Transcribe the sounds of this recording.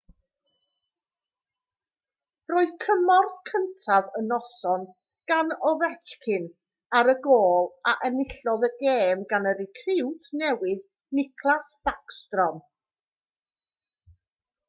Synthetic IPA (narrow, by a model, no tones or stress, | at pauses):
roːɨð̥kʰəmɔrθkʰəntʰavənɔsɔn | ɡ̥anɔvɛd͡ʒkʰɪn | aɾəɡoːlˠaʔɛnɪɬɔðəɡeːmɡanəɾɪkʰrɪwtʰnɛwɪð | nɪkʰlˠasfakstrɔm